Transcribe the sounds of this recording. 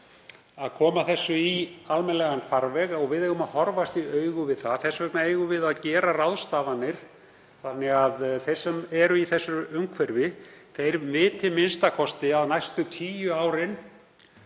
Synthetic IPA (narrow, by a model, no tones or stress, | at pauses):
aðkʰɔːmaθɛsːʏialmɛnlɛɣanfaɾvɛɣɔɣvɪðejɣʏmaðhɔɾvast̪iœɥɣʏvɪðθaθɛsːvɛknaeːjɣʏvɪðaðcɛːɾarawðst̪aːvanːɪɾ̥ | θanːɛɣaðθej̥sɛmɛɾʏiθɛsːʏʏmkʰvɛɾvɪθejɾmɪːt̪ʰɪlmɪnst̪akʰɔst̪ɪaðnajst̪ʏt̪ʰiːjʏaːwɾɪn